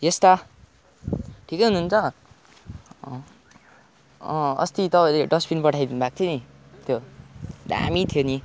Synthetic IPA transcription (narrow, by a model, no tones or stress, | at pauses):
jest̪a | ʈʰikejɦununt͡sʰʌ | ʌ̰st̪it̪ʌpãileɖʌspinpʌʈʰajd̪inubak̚t̪ʰjonit̪ʰjod̪a̰mit̪ʰjoni